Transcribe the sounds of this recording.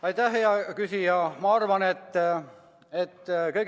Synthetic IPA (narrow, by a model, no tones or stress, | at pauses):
ɑjt̪æhːeɑkysijɑmɑɑrvɑnet̪ː | et̪ːkɤjɡ